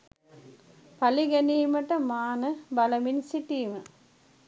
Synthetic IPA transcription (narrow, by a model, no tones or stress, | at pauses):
pɐliɡɐniːmɐʈːɐmaːnɐbɐlɐminsiʈːiːmɐ